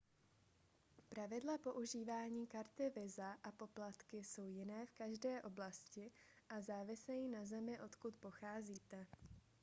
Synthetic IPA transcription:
pɾavɪdlapo̞ʔuʒiːvaːɲiːkaɾt̪ɪvɪzaʔapo̞plat̪kɪso̞wjɪnɛːfkaʒdɛːʔo̞blascɪ | ʔazaːvɪsɛjinazɛmɪʔo̞t̪kut̪po̞xaːziːt̪ɛ

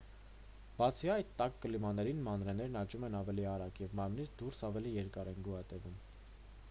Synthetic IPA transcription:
b̥ɑt͡sʰiɑjt̪t̪ːɑkːəlimɑnɛɾinmɑnɾɛn̪ɛɾnɑt͡ʃumɛnɑvɛliɑɾɑkjɛvmɑɾmnit͡sʰd̪uɾsɑvɛlijɛɾkɑɾɛnɡuɑt̪ɛvum

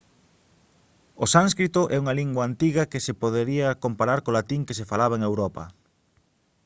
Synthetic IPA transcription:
osaŋskɾit̪oʔɛuŋaliŋɡwaːnt̪iɣɐkesepoðeɾiɐkompaɾaɾkolat̪iŋkes̬efalaβ̞ɐeŋewɾɔpɐ̰

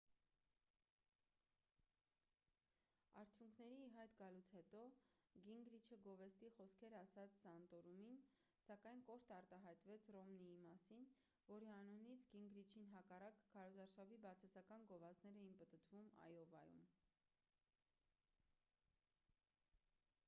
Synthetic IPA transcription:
ɑɾt͡sʰjuŋkʰnɛɾiːɦɑjt̪ɡɑlut͡sʰhɛt̪ɔɡiŋɡɾit͡ʃʰəɡɔvɛst̪iχɔskʰɛɾɑsɑt͡sʰsɑnt̪ɔɾumin | sɑkɑjnkɔʃt̪ɑɾt̪ɑɦɑjt̪vɛt͡sʰrɔmniimɑsin | vɔɾiɑnunit͡sʰɡiŋɡɾit͡ʃʰinɦɑkɑrɑkkʰːɑɾɔzɑɾʃɑvibɑt͡sʰɑsɑkɑnɡɔvɑt͡snɛɾɛjinpət̪ət̪vumɑ̰jɔvɑjṵm

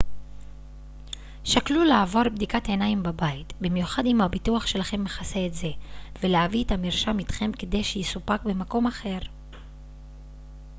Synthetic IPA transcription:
ʃaklulaːvo̞ʁbd̪ikate̞naimbabaitbimjuχadimhabituaχʃe̞laχe̞mːeχaseːtze̞veleavietamiʁʃamit̪χe̞mke̞d̪e̞jʃejisupakbe̞mako̞maχe̞ʁ

